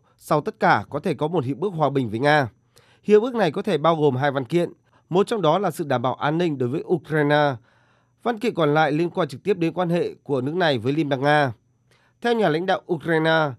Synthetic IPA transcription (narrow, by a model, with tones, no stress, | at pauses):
sa˧wt̪ə˦˥t̚kaː˧˩kɔ˨˦t̪ʰe˧˩kɔ˨˦mo˨˩t̚hḭ˧˨əwɓɨ˦˥ək̚ɦwaː˨˩ɓï˨˩ŋ̟vəː˨˦jŋaː˧ | hḭ˧˨wɓɨ˦˥ək̚na˨˩jkɔ˨˦t̪ʰe˧˩ɓaː˧wɣo˨˩mɦaː˧jva˧nkḭ˧˨ən | mo˨˩t̚t͡ɕɔ˧wŋ͡mɗɔ˨˦laː˨˩sɨ̰˧˨ɗaː˧˩mɓaː˧˩wʔaː˧nːï˧ŋ̟ɗo˨˦jvəː˨˦jʔu˧kɾaː˧jnaː˧ | va˧nkḭ˧˨kɔ˨˩nla̰ː˧˨jli˧ənkwaː˧nt͡ɕɨ˨˩k̚t̪i˦˥əp̚ɗe˨˦nkwaː˧nhḛ˧˨ku˧˩ənɨ˦˥ək̚na˨˩jvəː˨˦jli˧nmɓaː˧˩ŋ̚ŋaː˧ | t̪ʰɛ˧wɲaː˨˩la̰˧˥jŋ̟ɗa̰ː˧˨wʔu˧kɾaː˧jnaː˧